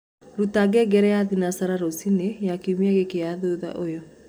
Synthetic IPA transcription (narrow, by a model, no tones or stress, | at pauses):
ɾutaɡɛɡɛɾɛjaðinasaɾaɾosinejakiumiaɣekeaðoða̰ʔojɔ